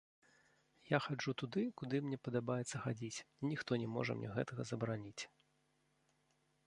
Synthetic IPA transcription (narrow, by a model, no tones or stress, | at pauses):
jaxad͡ʐut̪ud̪ɨkud̪ɨmnʲɛpɐd̪abajɛt̪sːɐxad͡zʲit͡sʲnʲixt̪ɔnʲɛmɔ̰ʐɐ̰mnʲɛ̰ɣɛ̰t̪ɐɣɐzɐbɾanʲit͡sʲ